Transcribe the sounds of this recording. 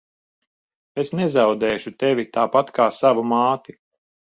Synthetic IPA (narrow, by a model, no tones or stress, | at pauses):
esnɛzawd̪ɛːʃut̪evit̪aːpat̪kaːsavumaːt̪i